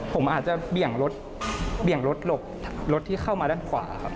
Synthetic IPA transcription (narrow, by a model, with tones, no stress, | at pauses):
pʰo˩˦mʔaː˨˩t͡ɕa˨˩bi˨˩əŋɾo˦˥t̪̚ | bi˨˩əŋɾo˦˥t̪̚lo˨˩p̚ʰlo˦˥t̪ʰːiː˥˩xʰa˥˩wmaː˧daː˥˩nkʰwa̰ː˩˦˧xʰa˦˥p̚